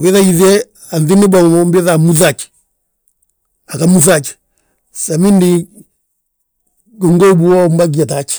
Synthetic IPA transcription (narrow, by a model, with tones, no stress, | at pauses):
wɛ˦ða˦i˨ðɛ˦ | a˨nði˦ni˦ba˨ɔ˨˦mbɛ˦ða˨mu˦θa˨t͡ʃi̥ | a˨ka˨mu˦θa˦t͡ʃi̥˨ | sa˨mi˦ndi˦ | ɡɔ˨ŋɡɔ˦u˦bu˦ɔ˦m˦ba˦ɡ̬i˨a˨ta˨t͡ʃi̥˨